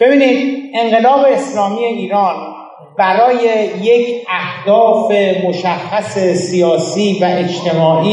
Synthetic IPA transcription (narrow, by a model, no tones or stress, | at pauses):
b̥e̞biːnid̪̚e̞ɴɢe̞lɒːbe̞ːslɒːmiːjeiːɾɒːn | bæɾɒːjejecʰæhd̪ɒːfemoʃæxːæse̞sijɒːsiːvæʔe̞t͡ʃt̪ʰe̞mɒːʔi